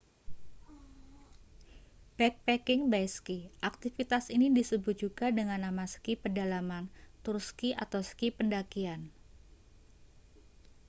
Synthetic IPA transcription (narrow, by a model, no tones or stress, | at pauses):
b̥ɛk̚pɛkɪŋbajskiʔak̚t̪ifit̪asinidisəbʊt̪̚ʒ̥uɡadəŋanːamasə̥kipərdalamant̪ʊrskiʔa̰t̪awsə̥kipəndakian